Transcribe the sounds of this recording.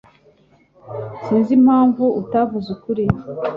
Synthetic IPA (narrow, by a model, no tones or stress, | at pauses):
siːnzim̥haːɱvuutavuzukuɾi